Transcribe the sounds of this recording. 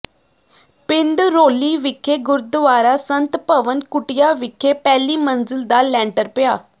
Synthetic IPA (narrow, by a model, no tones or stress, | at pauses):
pɪnd̪ɾoːliːʋɪkʰːeːɡʊɾd̪ʊʋaːɾaːsənt̪pəʋənkʊʈɪjaːʋɪkʰːeːpɛːliːmənzɪld̪aːlɛ̃ːɳʈəɾpɪjaː